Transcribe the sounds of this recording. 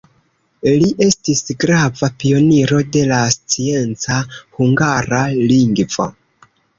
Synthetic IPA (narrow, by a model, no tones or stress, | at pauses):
liʔe̞stisɡɾavapio̞niɾo̞de̞last͡sie̞nt͡sahuŋɡaɾaliŋɡvo̞̰